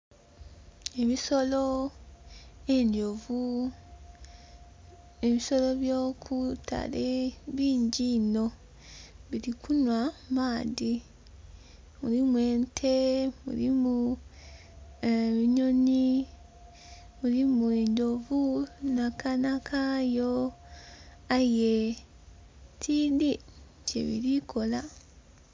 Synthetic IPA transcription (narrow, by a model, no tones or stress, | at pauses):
eβisolo | endovu | eβiso̞lo̞βjo̞ːkʰutʰa̰leβiːɲɟino̞ | βiɾikunwamaːdi | mulimuwe̞ːntʰe̞mṵɾimu | eβiɲo̞ni | mulimueɲdovunakanakʰajo | aje | tʰidi | ce̞̰βḭɾikʰo̞la